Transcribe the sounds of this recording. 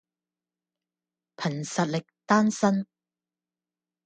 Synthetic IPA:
pʰɐ˨˩nsɐ˨t̚lɪ˨k̚t̪aː˥nsɐ˥n

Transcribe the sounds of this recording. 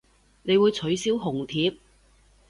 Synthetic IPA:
ne˨˧jwuː˨˧jt͡sʰɵ˨˥ɥsiː˥wɦʊ˨˩ŋt̪ʰiː˨˥p̚

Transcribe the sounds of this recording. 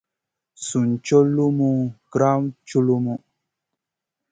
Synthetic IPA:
su˨n˨t͡ʃo˦lu˦mu˦ɡ̥ɾa˦mt͡ʃu˦lu˦mu˦

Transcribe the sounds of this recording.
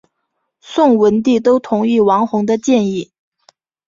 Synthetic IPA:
sʊ˥˩ŋwə˧˥nt̪i˥˩t̪̬o˥ʊt̪ʰʊ˧˥ŋi˥˩wɑ˧˥ŋxʊ˧˥ŋd̪ə˧t͡ɕjɛ˥˧ni˥˩

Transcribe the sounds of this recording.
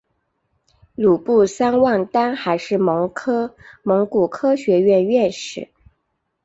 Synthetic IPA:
lu˨˩pu˥˩sa˥nwɑ˥˩ŋt̪a˥nxa˧˥ɪʂɻ̩˥˩mɤ˧˥ŋkʰɤ˥mɤ˧˥ŋku˨˩kʰɤ˥ɕɥɛ˧˥ɥɛ˥˧nɥɛ˥˩nʂɻ̩˨˩˦

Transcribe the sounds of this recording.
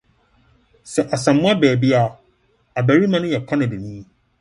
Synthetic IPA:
sɛ˨ʔa˨sã˨mː˦ʊ̃˦a˦bɛː˨bi˦a˨ | a˨bæ˨ɾi˦mã˦nʊ̃˦jɛ˨kʰã˦nɪ̃˨dɪ˨nĩː˦˨

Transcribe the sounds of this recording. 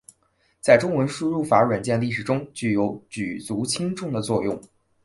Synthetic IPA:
t͡sa˥˩ɪʈ͡ʂʊ˥ŋwə˧˥nʂu˥ɻu˥˩fa˧˥ɻwə˨˩nt͡ɕjɛ˥˧nli˥˩ʂɻ̩˨˩ʈ͡ʂʊ˥ŋt͡ɕy˥˩jo˧˥ʊt͡ɕy˨˩t͡su˧˥t͡ɕʰi˥ŋʈ͡ʂʊ˥˩ŋd̪ə˩t͡swɔ˥˧jʊ̰˥˩ŋ

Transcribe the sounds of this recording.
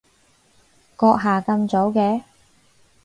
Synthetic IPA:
kɔː˧k̚ɦaː˨˩kɐ˧mt͡so˨˥wkɛː˧

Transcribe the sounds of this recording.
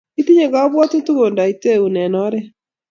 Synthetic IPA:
i˦ti˦ɲe˨ɣa˦ɔ˦βwɔ˦te˦tu˦ɣo˨nda˨i˨te˦˨u˨nɛ˨nɔ˦ɾɛ˦

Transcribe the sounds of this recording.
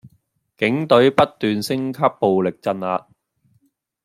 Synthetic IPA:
kɪ˨˥ŋt̪ɵ˨˥ɥpɐ˥t̚t̪yː˨nsɪ˥ŋkʰɐ˥pːo˨wlɪ˨k̚t͡sɐ˧naː˧t̚

